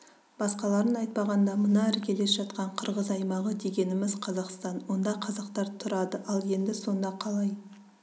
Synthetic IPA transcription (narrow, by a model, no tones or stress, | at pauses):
b̥ɑsqɑlˠɑɾənɑjt̪̚pɑʁɑnd̪ɑmənɑɪɾkʲʰe̞lesʒɑt̪qɑɴqʰəɾʁəzɑjmɑʁəd̪e̞ɡʲe̞nɪmɪzqʰɑzɑqst̪ɑnwo̞nd̪ɑqʰɑzɑqt̪ɑɾt̪ʰʊɾɑd̪əʔɑlˠje̞nd̪ɪso̞nd̪ɑqʰɑlˠɑj